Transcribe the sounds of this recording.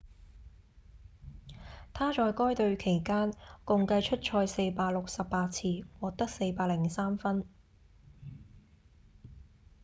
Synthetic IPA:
t̪ʰaː˥t͡ʃɔː˧jkɔː˥jt̪ɵ˧ɥkʰe˨˩jkaː˥nkʊ˧ŋkɐ˧jt͡ʃʰɵ˥t̚t͡ʃʰɔː˧jse˧jpaː˧k̚lʊ˨k̚sɐ˨pːaː˧t̚t͡sʰiː˥wɔː˨k̚t̪ɐ˥k̚se˧jpaː˧k̚lɪ˨˩ŋsaː˥mfɐ˥n

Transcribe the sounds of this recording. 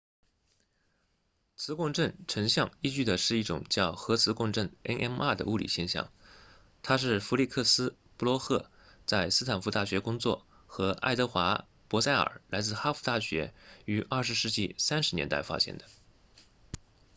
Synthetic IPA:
t͡sʰɹ̩˧˥kʊ˥˧ŋʈ͡ʂə˥˩ŋʈ͡ʂʰə˧˥ŋɕjɑ˥˧ŋi˥˧t͡ɕy˥˩d̪ə˩ʂɻ̩˥˧i˥˩ʈ͡ʂʊ̰˨˩ŋt͡ɕjɑ˥˩ʊxɤ˧˥t͡sʰɹ̩˧˥kwʊ˥˧ŋʈ͡ʂə˥˩ŋḛ˥ɪʔɛ˥na˥˩d̪ə̰˩u˥˩lḭ˨˩ɕjɛ˥˧nɕjɑ̰˥˩ŋ | t̪ʰa˥ʂ̬ɻ̩˥˩fu˧˥li˥˧kʰɤ˥˩sɹ̩˥ | pu˥˩lwɔ˧˥xɤ˥˩ | t͡sa˥˧ɪsɹ̩˥t̪ʰa˨˩nfu˧˥t̪a˥˩ɕɥɛ˧˥kʊ˥ŋt͡swɔ̰˥˩ | xɤ˧˥ʔa̰˥ɪt̪ɤ˧˥xwa˧˥ | pwɔ˧˥sa˥˩ɪə̰˞˨˩la˧˥ɪt͡sɹ̩˥˩xa˥fu˧˥t̪a˥˩ɕɥɛ˧˥y˧˥ʔɐ˞˥˩ʂɻ̩˧˥ʂɻ̩˥˧t͡ɕi˥˩sa˥nʂɻ̩˧˥njɛ̰˧˥nt̪a˥˩ɪfa̰˥ɕjɛ̰˧˥nd̪ə˧

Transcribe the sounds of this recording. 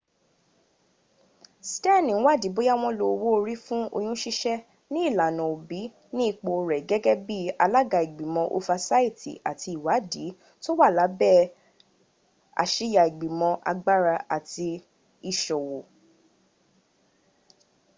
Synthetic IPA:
stɛ˦˨nĩ˨˦wa˦˨di˨˦bo˦ja˦w̃ɔ̃˦lo˧wo˦o˧ɾi˦fũ˦o̰˧j̃ũ˦ʃi˦ʃɛ˦ | nĩ˦i˦˨la˨nɔ̃˨o˨bi˨˦ | nĩ˦i˦˨k͡po˧ɾɛ˨ɡɛ˦ɡɛ˦bi˦a˧la˦ɡa˧˨i˨ɡ͡bi˨mɔ̃˧ʔo̰˧fa˧sa˦i˦˨tḭ˨a̰˨tʰi˧i˨wa˨˦di˨˦ | to˦wa˦˨la˨˦bɛ˦˨ | a̰˨ʃi˧˦ja˨i˨ɡ͡bi˨mɔ̃˧ʔa̰˧ɡ͡ba˦ɾa˧ʔa˨ti˧ | i˨ʃɔ˨wo˨

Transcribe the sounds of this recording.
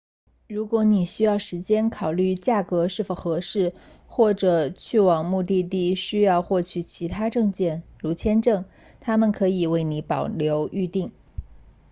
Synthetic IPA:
ɻu˧˥kwɔ˧˥ni˨˩ɕy˥jɑ˥˩ʊʂɻ̩˧˥t͡ɕjɛ˥nkʰɑ˨˩ʊly˥˩t͡ɕja˥˩kɤ˧˥ʂɻ̩˥˩fo˨˩ʊxɤ˧˥ʂɻ̩˥˩ | xwɔ˥˩ʈ͡ʂɤ˨˩t͡ɕʰy˥˩wɑ˨˩ŋmu˥˧t̪i˥˧t̪i˥˩ɕy˥jɑ˥˧ʊxwɔ˥˩t͡ɕʰy˨˩t͡ɕʰi˧˥t̪ʰa˥ʈ͡ʂɤ˥˧ŋt͡ɕjɛ˥˩nɻu˧˥t͡ɕʰjɛ˥nʈ͡ʂɤ˥˩ŋ | t̪ʰa˥mə˨nkʰɤ˧˥i˨˩we˥˩ɪni˧˥pɑ˨˩ʊljo˧˥ʊy˥˧t̪i˥˩ŋ

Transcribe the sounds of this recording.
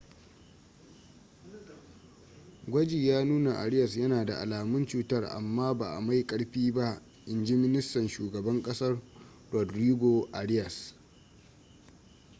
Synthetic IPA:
ɡʷɐ˦d͡ʒi˨jaː˦nuː˦na˨ʔa̰˨ɽɪ˦jɐ˨s̬jɐ˦naː˨da̰˨ʔa̰˨laː˨mʊ˦nt͡ʃuː˦tɐ˦rʔa̰˨mːaː˦ba̰ː˨ʔa̰˨ma˦jkʼɐ˦ɽɸiː˦ba˦ʔ | ʔɪ˨nd͡ʒi˦mɪ˦nɪ˦stɐ˨nʃuː˨ɡɐ˨bɐ˦ŋkʼɐ˦sɐ˦r | ɾɔ˨dɾiː˦ɡʷo˨ʔa˨ɽɪ˦jɐ˨s

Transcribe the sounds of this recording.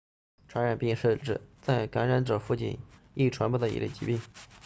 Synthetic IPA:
ʈ͡ʂʰwa˧˥ɻa˨˩npi˥˧ŋʂɻ̩˥˧ʈ͡ʂɻ̩˥˩t͡sa˥˩ɪka˧˥nɻa˧˥nʈ͡ʂɤ˨˩fu˥˧t͡ɕḭ˥˩n | i˥˩ʈ͡ʂʰwa˧˥npu˥˩d̪ə˩ḭ˧˥lə̰˥˩t͡ɕḭ˧˥pi˥˩ŋ

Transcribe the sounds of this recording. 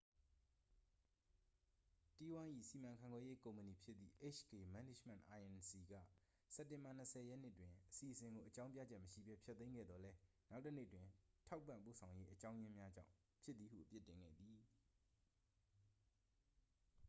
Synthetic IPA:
ti˦wã˦ʔḭ˦˨si˨mã˨ŋkʰã˨ŋɡwɛ˦je˦kõ˨ʊ̃məni˨pʰjɪ˦t̪ːðḭ˦˨ʔe˦˨ʃɡe˨mã˨˦nɪ˦˨m̥ɛ̰̃˨ʔʔa˨ʔɛ̃˨nsi˨ɡä̰˦˨ | sɛ˦˨tːɪ̃˨mba˨n̥əsʰɛ˨jɛ˦ʔnɪ˦ʔtwɪ̃˨ʔəsi˨ʔəsɪ̃˨ŋɡo˨ʔət͡ɕã˦ʊ̃mpja̰˦˨d͡ʑɛ˦ʔməʃḭ˦˨bɛ˦pʰjɛ˦t̪ːẽ˦ɪ̃ŋɡɛ̰˦˨d̪ðɔ˨lɛ˦ | na˦ʊtːə˦nḛ˦ʔtwɪ̃˨tʰa˦ʊpːã̰˦˨mpo˦˨sʰã˨ʊ̃je˦ʔət͡ɕã˦ʊ̃jɪ̃˦mja˦d͡ʑã̰˦˨ʊ̃ | pʰjɪ˦t̪t̪ːði˨ɦṵ˦˨ʔəpjɪ˦ʔtːɪ̃˨ŋɡɛ̰˦˨d̪i˨

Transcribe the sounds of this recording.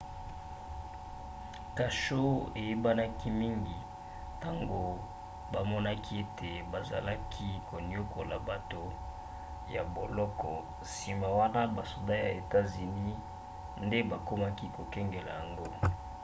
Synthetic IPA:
ka˨ʃo˦e˨je˦ba˦na˦ki˦mi˦ŋɡi˨ | ta˦ŋɡo˨ | ba˨mɔ˦na˦kʰi˦e˦tʰe˨ba˨za̰˨la˦kʰi˦ko˨ni˦o˦kʰo˨la̰˨ba˨to˨ | ja̰˨bo˨lɔ˦kɔ˨ | si˨ma˨wa˦na˦ba˨so˨da˦ja˨e˨ta˦zi˨ni˦ | nde˦ba˨ko˦ma˦ki˦ko˨kɛ˦ŋɡe˨la̰˨ja˨ŋɡo˦

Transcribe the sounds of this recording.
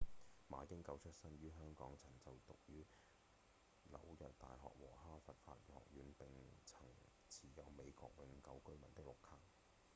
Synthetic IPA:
maː˨˥jɪ˥ŋkɐ˧˥wt͡ʃʰɵ˥t̚sɐ˥njyː˥ɦœː˥ŋkɔː˨˥ŋt͡sʰɐ˨˩ŋt͡sɐ˨wt̪ʊ˨k̚jyː˥ | lɐ̰˨˥wjɐ˨t̚t̪a̰ː˨jɦɔ̰ː˨k̚wɔː˨˩ɦaː˥fɐ˨t̚fa̰ː˧t̚jɔ̰ː˨k̚jyː˨˧npɪ˨ŋt͡sʰɐ˨˩ŋ | t͡sʰiː˨˩jɐ˨˧wme˨˧jkɔ̰ː˧k̚wɪ˨˧˥ŋkɐ˨˥wkɵ˥ɥmɐ̰˨˩nt̪ɪ˥k̚lʊ˨khʰaː˥k̚

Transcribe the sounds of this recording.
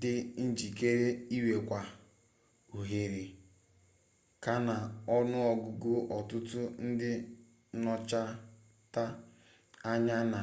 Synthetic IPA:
dɪ˦n̩˦d͡ʒi˨ke˦ɾe˦i˦we˨kʷa˨ | u˨ɦe˨ɾe˨ | ka˨na˨ɔ˦nʊ˦ɔ˨ɡʊ˨ɡʊ˦ʔɔ˨tʊ˦tʊ˦n̩˦dɪ˦ | nɔ˦t͡ʃa˦ | ta˦ | a˦ɲa˦na˨

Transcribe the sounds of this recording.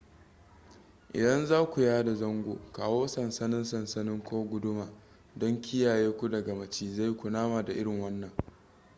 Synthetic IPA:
ʔɪ̰˨dɐ˦nzaː˦kʷu˨jaː˦da˨zɐ˦ŋɡʷo̰ː˨kaː˨woː˦sɐ˨nsɐ˦nɪ˦nsɐ˨nsɐ˦nɪ˦ŋkʷoː˦ɡʷʊ˦dʊ˦maː˨ | dɔ˦ŋkʲɪ˦jaː˨jeː˦kʷu˦dɐ˨ɡa˨mɐ˨t͡ʃiː˦za˦˨jkʷʊ˨naː˦maː˨da˨ʔɪ˦ɽɪ˨ŋwɐ˦nːɐ˨ŋ

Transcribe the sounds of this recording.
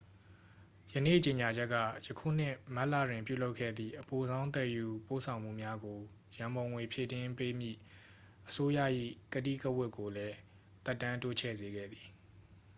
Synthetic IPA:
jənḛ˦˨t͡ɕe˨ɲa˨d͡ʑɛ˦ʔkːä̰˦˨jə˨kʰṵ˦˨n̥ɪ̰̃˦˨ma˦ʔla̰˦˨dwɪ̃˨mpjṵ˦˨lo˦ʊʔkʰːɛ̰˦˨d̪ðḭ˦˨ʔəpo˨zã˦ʊ̃nt̪ɛ˦˨ju˨po̰˦˨sʰã˨ʊ̃m̥ṵ˦˨mja˦ɡo˨ | jã˨mbõ˨ʊ̃ŋwe˨pʰjḛ˦˨tɪ̃˦mpe˦mjḭ˦˨ | ʔəso˦jä̰˦˨ʔḭ˦˨kətḭ˦˨kə˦wɪ˦kːo˨lɛ˦ | t̪ɛ˦˨tːã˦nto˦t͡ɕʰɛ̰˦˨ze˨ɡɛ̰˦˨d̪i˨

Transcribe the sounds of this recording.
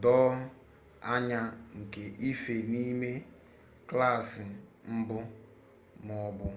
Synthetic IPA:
dɔː˦ | a˦ɲa˦ŋ̩˨ke˨ʔi˦fe˨ni˦me˦ | kla˦˨sɪ˨ | m̩˦bʊ˦ | mʊ˨bʊ˨

